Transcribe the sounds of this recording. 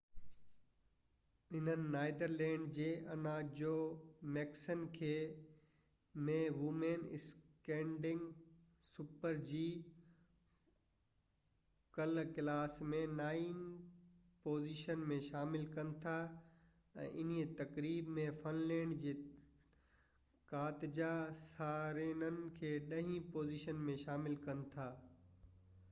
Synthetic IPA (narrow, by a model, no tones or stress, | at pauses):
ɪnənɪ̆naːɪd̪əɾlɛ̃ːɳɖd͡ʑeːʔɐnãːd͡ʑoːmɛːksən̆kʰeː | mẽʋumenɪskẽːɳɖɪ̃ŋɡsupəɾd͡ʑiː | kɐlkɪlaːsmẽnaːin | poːziːʃənmẽʃaːmɪlkɐnɪ̆t̪ʰa | ɛ̰̃ːʔɪn̤it̪ɐkɾiːbmẽfɐnleːɳɖd͡ʑeː | kaːt̪ɪd͡ʑasaːɾeːnənɪ̆kʰeːɗɐɦĩpoːziːʃənmẽʃaːmɪlkɐnɪ̆t̪ʰaː